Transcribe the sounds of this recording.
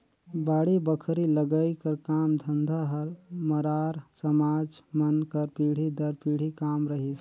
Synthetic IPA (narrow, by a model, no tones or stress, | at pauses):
baːɽibəkʰɾiləɡəikəɾkaːmd̪ʱənd̪ʱaɦəɾməɾaːɾsəmaːd͡ʒmənkəɾpiːɽ̤id̪əɾpiːɽ̤ikaːmɾəɦis